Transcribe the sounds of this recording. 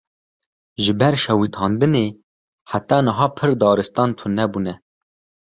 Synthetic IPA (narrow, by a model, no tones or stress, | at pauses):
ʒɨbɛɾʃɛwit̪ʰɑːnd̪ɨneː | ħat̪ɑːnɨɦɑːpʰɨɾd̪ɑːɾɨst̪ɑːnt̪ʰʊnːɛbuːnɛ